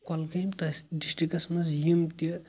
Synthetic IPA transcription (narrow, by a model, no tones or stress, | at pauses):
kɔlkɐjmt̪ɐsɖisʈikɐsmɐsjimt̪i